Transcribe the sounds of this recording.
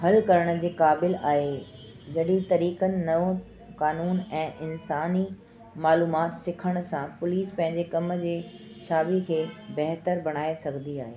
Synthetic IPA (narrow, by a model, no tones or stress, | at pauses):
ɦɐlkɐɾəɽ̃ʊ̆d͡ʑeːkaːbɪlaːɦe | d͡ʑɐɗit̪ɐɾiːkənɪ̆nɐʋõ | kaːnuːnɛ̃ːʔɪnsaːni | maːluːmaːt̪sɪkʰəɽ̃̆sãpʊliːspɐ̃ɦɪ̃ɲd͡ʑekɐmd͡ʑeː | ʃaːbikʰeːbɐɦt̪əɾbɐɽ̃aːesɐɡʱə̃nd̪iaːɦeː